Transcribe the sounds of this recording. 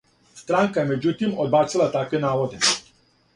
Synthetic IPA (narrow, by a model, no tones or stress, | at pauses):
st̪ɾaŋkajemed͡ʑut̪imod̪baːt̪silˠat̪akʋenaːʋod̪e